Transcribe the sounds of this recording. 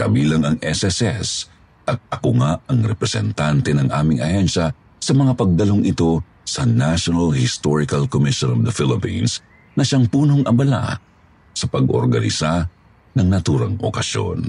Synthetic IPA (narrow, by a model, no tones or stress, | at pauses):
kɐbiːlɐŋɐŋɛsɛsɛs | ʔɐt̪̚ɐkoŋaɐŋɾɛpɾɛsɛ̰nt̪ant̪ɛnɐŋʔaːmɪŋɐhɛnʃɐ | sɐmɐŋapɐɡ̚ːɐlo̞ŋʔɪt̪o̞ | sɐnaʃonɐlhɪst̪oɹɪkɐlkomɪʃonɔvd̪ɐfɪlɪpins | nɐʃaŋpuːno̞ŋʔɐbɐla̰ | sɐpɐɡʔo̰ɾɡɐnɪ̰sa | nɐŋnɐt̪uːɾɐŋʔo̰kɐʃjo̰n